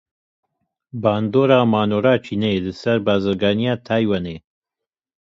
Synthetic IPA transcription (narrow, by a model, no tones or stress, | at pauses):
baːnd̪oːɾaːmaːnoːɾaːt͡ʃʰiːneelɨsɛɾbaːzɨɾɡaːnijaːt̪ʰaːjwaneː